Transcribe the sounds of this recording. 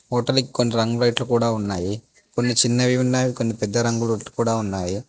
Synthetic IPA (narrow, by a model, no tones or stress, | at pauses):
ɦɔːʈɐliki̥ko̞nːiɾɐŋɡuɾɐjʈlukuːɽaːunːaːji | ko̞nːit͡ʃinːɐʋiʋinːaːʋiko̞nːipɛd̪ːɐɾɐŋɡulɐʈlu̥kuːɽaːunːaːji